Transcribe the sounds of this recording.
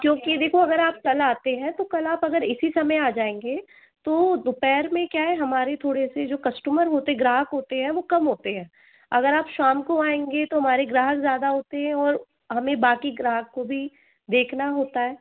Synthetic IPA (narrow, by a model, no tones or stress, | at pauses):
kjõːkid̪eːkʰoɐɡəɾaːp̚kɐlaːt̪eɦɛ̃t̪okɐlaːpɐɡəɾɪsisɐməjaːd͡ʒaːẽːŋɡe | t̪oːd̪ʊpɛːɾmẽkjaːɦɛɦɐmaːɾet̪ʰoːɽesed͡ʒoːkɐsʈuməɾɦoːt̪eɛ̃ɡɾaːɦəkɦoːt̪eɦɛ̃ʋokɐmɦoːt̪eɦɛ̃ː | ɐɡəɾaːpʃaːmkoaːẽːŋɡet̪oɦɐmaːɾeɡɾaːɦəkzjaːd̪aɦoːt̪eɦɛ̃ɔːɾ | ɦɐmẽbaːkiɡɾaːɦəkːobʱi | d̪eːkʰnaɦoːt̪aɦɛː